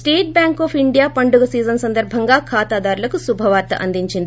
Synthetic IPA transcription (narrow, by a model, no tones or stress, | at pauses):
sʈeːʈ̚bjaːŋkoːpʰiɳɖijaːpɐɳɖuɡɐsiːzɐnɐsɐnd̪ɐɾbʱɐŋɡaːkʰaːt̪aːd̪aːɾulɐkusubʱɐʋaːɾt̪ɐ̰ʔɐ̰nd̪iɲt͡ʃind̪i